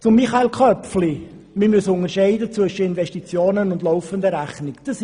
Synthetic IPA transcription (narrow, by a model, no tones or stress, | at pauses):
t͡sʊmːiχaelkʰχœpfli | mɪmyəsʊŋəɾʃɛɪdət͡sʋʏʃəɪnvɛʃtit͡sjoːnənʊndlɔʊfəndəɾæχnɪkd̥əs